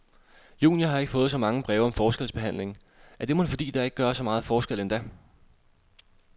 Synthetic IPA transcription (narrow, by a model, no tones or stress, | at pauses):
jṵːnijɐɦɑ̈e̝ɡ̥əfɔ̽ːð̩ˠsɒ̽mɑ̈ŋəb̥ʁɛːʊɒ̽mfɒːsɡ̥el̰sb̥e̝ɦæn̰le̝ŋ | æɐd̥e̝mon̩fɒ̽d̥ḭːd̥ɑeɡ̥əɡ̥ɶːɐsɒ̽mɑ̈ːð̞̩ˠfɒːsɡ̥el̰end̥æ